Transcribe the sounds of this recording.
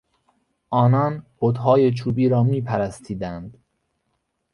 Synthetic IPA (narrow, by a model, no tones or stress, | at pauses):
ʔɒːnɒːnbod̪ɦɒːjet͡ʃʰuːbiːɾɒːmiːpʰæɾæst̪ʰiːd̪ænd̪̥